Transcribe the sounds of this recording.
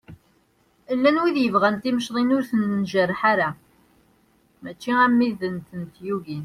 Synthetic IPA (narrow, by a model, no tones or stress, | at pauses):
əlːænwiðjəvʁænt̪iməʃðˤinʊɾθənːʒərˤːħaɾa | mæt͡ʃːiæmːiðənt̪ənt̪juʝin